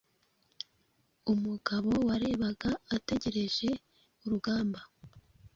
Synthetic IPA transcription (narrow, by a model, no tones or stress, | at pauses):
umuɡaβo̞waɾe̞ːβaɡaːte̞ɟe̞ɾe̞ʒe̞ | uɾuɡaːmba